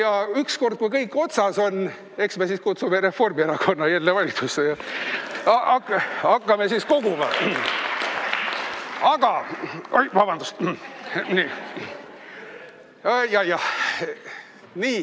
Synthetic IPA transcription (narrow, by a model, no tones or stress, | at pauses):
jɑyksko̞rd̪̚kujkɤjkːˑo̞t̪sɑso̞n | e̞ksme̞siskut̪sume̞ɾe̞fo̞rmieɾɑko̞nːɑjælːevɑlʲit̪susːejɑ | ɑʔɑkːɑkˑːɑme̞sisko̞ɡ̥umɑ̰ | ɑɡ̥ɑojvɑbɑnd̪ust̪ | ni | jɑjɑh | niː